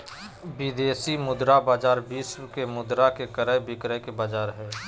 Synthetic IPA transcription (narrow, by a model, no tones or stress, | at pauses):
bɪd̪eːsimʊd̪ɾabaːd͡ʒaːɾbiːskemʊd̪ɾakekəɾəbɪkɾəkebaːd͡ʒaːɾɦɛː